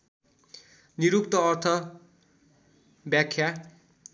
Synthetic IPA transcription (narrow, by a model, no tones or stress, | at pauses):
niɾukt̪ʌːrt̪ʰʌ | bjakʰja